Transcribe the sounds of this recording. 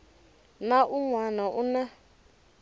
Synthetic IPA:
naʔuŋwanaʔuna

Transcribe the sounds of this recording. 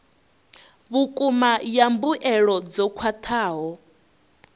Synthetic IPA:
βukʼumajambuʔɛɺɔd͡zɔkʰwat̪ʰaːɦɔ

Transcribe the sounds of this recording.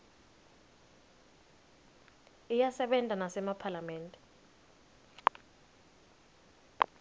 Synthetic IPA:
ijasɛɓɛntʼanasɛmapʰalamɛːntʼɛ

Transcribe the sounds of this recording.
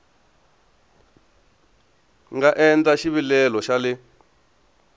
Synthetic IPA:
ŋɡaʔɛnd͡zaʃiβilɛlɔʃalɪ

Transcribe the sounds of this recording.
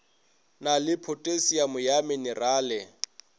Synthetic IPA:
nalɪpʰotʼesijamʊjamɛnɪraːlɛ

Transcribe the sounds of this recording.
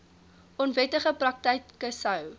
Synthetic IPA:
ɔnvɛtəχəprɐk̚tɛjkkːəsɐw

